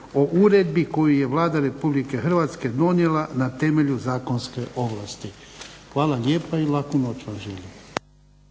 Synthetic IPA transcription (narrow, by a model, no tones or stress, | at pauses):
o̞ʔuɾed̪biko̞juje̞ʋlaːd̪aɾe̞publike̞xrʋat̪ske̞d̪o̞njelanat̪e̞meʎuzaːkonske̞ʔo̞ʋlˠast̪ixʋaːlˠaʎʲeːpailˠakunot͡ʃʋamʒelim